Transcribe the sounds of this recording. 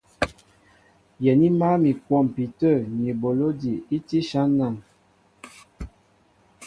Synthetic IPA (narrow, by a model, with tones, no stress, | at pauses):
jɛ˨ni˦ma˦mi˨kwɔ˦˨m˨pi˨tə˦˨ni˨bo˨lo˦di˨i˦ti˦ʃa˦nːa˦˨ŋ